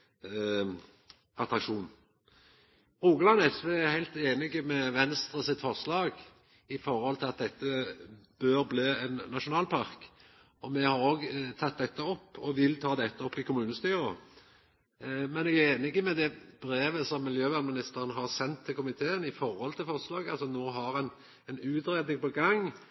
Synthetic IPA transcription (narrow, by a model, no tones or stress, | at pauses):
ʔɑt̪ɾɑkʂuːn | ɾuːɡəlɑnəsʋɪæhæɪlt̪eːnɪɡəmɛʋɛnst̪ʁəsɪt̪fɔʁslɑːɡ | ɪfɔɾhɔlt̪ʰɪlɑt̪̚d̪ɛt̪ːəb̥øːɾbliːɛnːɑʃʊnɑːlpʰɑʁk | ɔmɛhɑɾoːɡt̪ʰɑt̪̚d̪ɛt̪ːəɔpːɔʋɪlt̪ʰɑːd̪ɛt̪ːəɔpːɪkʰʊmʉːnəst̪yːʁə | mɛnɛɡæɾeːnɪɡəmɛd̪ɛb̥ɾeːʋəsɔmːɪljøːʋæʁnmɪnɪst̪əɾənɦɑɾsɛnt̪ʰːɪlkʰʊmɪt̪ʰeːənɪfɔɾhɔlt̪ʰɪlfɔʁslɑːɡɑlsɔnoːɦɑɾɛn | ɛnʉːt̪ɾeːd̪nɪŋpɔɡɑŋ